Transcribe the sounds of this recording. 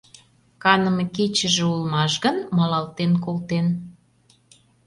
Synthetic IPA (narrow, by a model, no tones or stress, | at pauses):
kɑnə̆meket͡ɕəʒĕulmɑʃɣə̆nmɑlɑlˠt̪enkolt̪en